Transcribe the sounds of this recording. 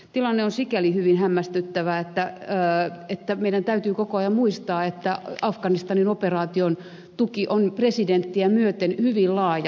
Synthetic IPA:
t̪ilɑnːeonsikælihyʋinhæmːæst̪yt̪ːæʋæet̪ːæː | et̪ːæmeiɾænt̪æyt̪yːkokoɑjɑmmuist̪ɑːet̪ːæɑfkɑnist̪ɑninoperɑːt̪ion | t̪ukiʔonpresident̪ːiæmyøt̪enhyʋillɑːjɑ

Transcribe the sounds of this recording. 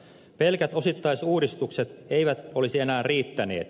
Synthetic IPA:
pelkæt̪o̞sit̪ːɑisuːɾist̪ukset̪eiʋæt̪olisienæːrriːt̪ːænḛːt̪

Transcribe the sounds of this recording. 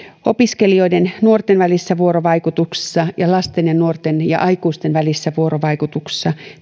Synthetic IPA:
opiskelioidennuort̪enʋælisːæʋuoɾoʋɑikut̪ukse̥sːɑjɑlɑst̪enjɑnuort̪enjɑ̰ʔɑikuːst̪enʋælisːæʋuoroʋɑikut̪ukse̥sːɑ

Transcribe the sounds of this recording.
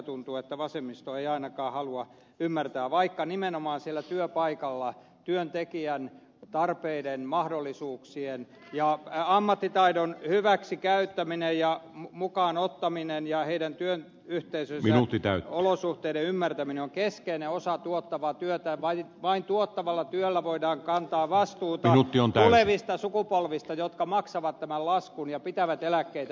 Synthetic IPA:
t̪unt̪uet̪ːæʋɑsemist̪oeiɑinɑkɑːhɑluɑ | ymːært̪æːʋɑikːɑnimenomɑːnsielːˑæt̪yøpɑikɑlːɑ | t̪yønt̪ekiæn | t̪ɑrpeidenmɑhdolːisuːksien | jɑɑmːɑt̪ːit̪ɑidonhyʋæksikæyt̪ːæminejjɑmumukɑːnot̪ːɑminenjɑheiɾænt̪yøn | yht̪eisøsinut̪ːit̪æ̰yolosuht̪eiɾeymːært̪æmineoŋkeskeineosɑt̪uot̪ːɑʋɑt̪yøt̪æʋɑiʋɑint̪uot̪ːɑʋɑlːɑt̪yølːæʋoidɑːŋkɑnt̪ɑːʋɑst̪uːt̪iɑnut̪ːiont̪æoleʋist̪ɑsukupolʋist̪ɑjot̪kɑmɑksɑʋɑt̪t̪æmællɑskunjɑpit̪æʋæt̪elækːeit̪æ

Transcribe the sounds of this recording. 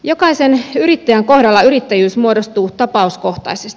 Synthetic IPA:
jo̞kɑise̞nyɾit̪ːæjæŋko̞hdɑlːɑyɾit̪ːæjyːsmuo̞do̞st̪uːt̪ɑpɑusko̞ht̪ɑ̰isest̪

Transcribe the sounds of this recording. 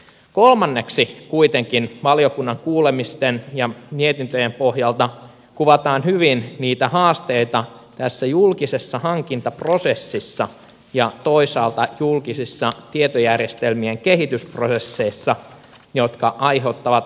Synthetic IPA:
ko̞lmɑnːe̞ksikuit̪eŋkinʋɑlio̞kunːɑŋkuːlemist̪enjɑmiet̪int̪øjempohjɑlt̪ɑ | kuʋɑt̪ɑːnhyʋinniːt̪æhɑːst̪eit̪ɑt̪æsːæjulkise̞sːɑhɑŋkint̪ɑpro̞se̞sːisːɑ | jɑt̪o̞isɑːlt̪ɑjulkisisːɑt̪iet̪ojærjest̪elmieŋke̞ɦit̪yspro̞se̞sːeisːɑ | jo̞t̪kɑʔɑjɦet̪ːɑʋɑt̪

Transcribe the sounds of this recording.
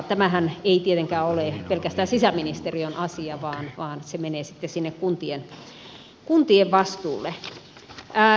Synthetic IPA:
t̪æmæhæneit̪iet̪eŋkæːoleˑpelkæst̪æːnsisæminist̪erionɑsiɑʋɑːnʋɑːnsemeneːsi̥t̪ːesinːekkunt̪ien | kunt̪ieʋʋɑst̪ṵːlːe

